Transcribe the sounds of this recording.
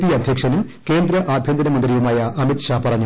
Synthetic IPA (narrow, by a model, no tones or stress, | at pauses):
ðiɐd̪ʱjɐkʂɐnum | ke̞ːnd̪ɾɐʔaːbʱjɐnd̪ɐnɐmɐnd̪rɾijumaːjɐʔɐmit̪ɕaːpɐrɐɲːu